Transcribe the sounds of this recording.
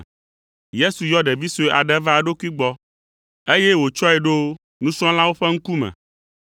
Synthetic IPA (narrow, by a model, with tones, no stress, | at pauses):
je˦su˨jɔ˦ɖe˨vi˦so˨ʔa̰˨ɖɛ˦va˦˨ɖo˦ku˦i˦ɡ͡bɔ˦ | e˦je˦wo˨t͡ʃɔ˦ɛ˨ɖo˦ | nũ˦sɔ̃˦lã˦wo˦ɸe˦ŋ̩˦ku˦mɛ̰̃˨